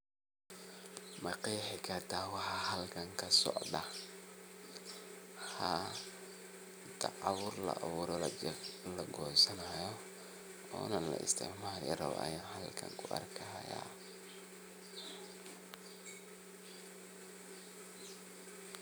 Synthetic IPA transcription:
mɐqiːħɛkʰɐt̪ʰaːwɑħɑhɐlkʰɐŋkʰɐsɔ̰ʕd̪ɐ | ha | t̪ʰɐʕaβʊɾlɐ̰ʔaβuːɾɔlɐlɐɡɔːsɐnaːjɔ | ɔ̰ːnɐlɐʔɪ̰st̪ʰɪ̰ʕmaːɾɪ̰ɾɐ̰wʔɐ̰jaːnhɐlkʰɐ̰ŋkʰʊʔɐ̰rkʰɐhɐ̰ja̰ː

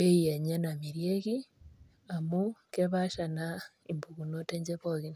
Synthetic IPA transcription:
beijaɲanamiɾjeki | amukeβaʃana | imbukunoteɲd͡ʒepoɣin

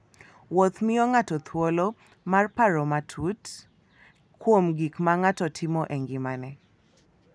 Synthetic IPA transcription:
wot̪mɪɔŋatɔt̪ʰwolɔ | marpaɾɔmatʰut | kwomɡikmaŋatɔtʰɪmɔʔeŋɡɪmanɛ

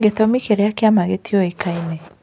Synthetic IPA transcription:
ɡetɔmikeɾɛakeamaɣetiɔekaine

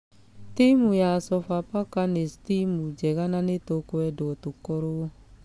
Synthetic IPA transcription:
timujasɔfapakanestimud͡ʒɛɣananetokoɛdootukɔɾo

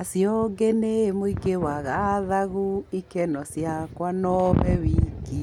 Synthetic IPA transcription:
asjɔɡenemoiɡewaɣaðaɣuikɛnɔsjakwanɔβɛwiɡi

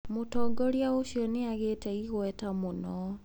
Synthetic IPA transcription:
motɔːɡɔɾiaoɕiɔneaɣetɛiɣwɛtamonɔ

